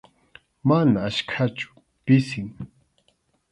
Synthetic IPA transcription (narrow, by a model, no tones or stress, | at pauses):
manaːʃkʰat͡ʃʊ̥ | pɪsɪŋ